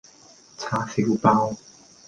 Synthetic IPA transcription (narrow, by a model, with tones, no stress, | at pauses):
t͡sʰaː˧˥si˧˥˧wpa˥w